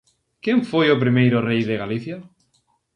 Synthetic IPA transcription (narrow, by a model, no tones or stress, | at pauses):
kjẽɱfojop̬ɾimejɾorejðeɣaliθja